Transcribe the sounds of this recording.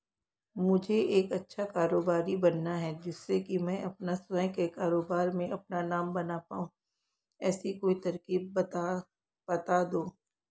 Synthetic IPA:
mʊd͡ʒʱeʔeːkɐtːʃʰakaːɾoːbaːɾibɐnːaɦɛd͡ʒɪsːekimɛ̃ːʔɐpnasɛkekaːɾoːbaːɾmẽʔɐp̚nanaːmbɐnapa̰ːũː | ɛːsikoːit̪ɐɾkiːb̚t̪a | bɐt̪ad̪oː

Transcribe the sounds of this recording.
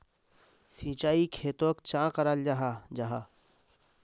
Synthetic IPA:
sĩːt͡ʃaːikʰeːt̪õːkt͡ʃãːkəɾald͡ʒaɦad͡ʒaɦa

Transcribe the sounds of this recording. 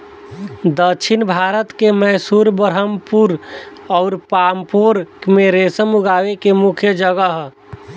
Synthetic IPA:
d̪əkʃʰinbʱaɾət̪kemɛɦsuɾbəɾɦəmpuɾɔːɾpaːmpoɾkmeɾesəmuɡaːwekemukʰjəd͡ʒəɡəɦ

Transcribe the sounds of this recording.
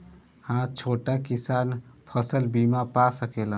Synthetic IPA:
hãt͡ʃʰoʈakisanpʰəsəlbimapasəkelə̃n

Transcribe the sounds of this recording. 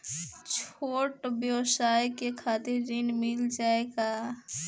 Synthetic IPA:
t͡ʃʰoːʈbjəwsajkekʰat̪ɪɾːɪnmɪld͡ʒaeɡa

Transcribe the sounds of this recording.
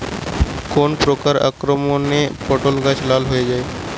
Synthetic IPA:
konpɾokaɾa̰kɾomonepɔʈolɡət͡ʃlalɦoed͡ʒaːe

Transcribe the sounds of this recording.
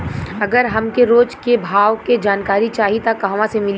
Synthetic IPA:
ɐɡəɾɦɐmkeɾoːd͡ʒkebʱaːʋked͡ʒaːnkaːɾit͡ʃaːɦit̪akːɐɦɐʋãsemɪl

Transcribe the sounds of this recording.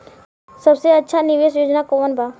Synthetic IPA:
səbseɐtːʃʰanɪʋeːsjoːd͡ʒnakoʋənbʱaː

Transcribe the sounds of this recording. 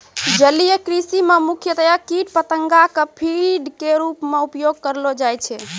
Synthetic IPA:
d͡ʒəlijekɾisimemukʰjət̪əjakiʈpət̪əŋɡakəpʰiɖkeɾupmeupjoɡ̚kəɾlod͡ʒajt͡ʃʰɛ

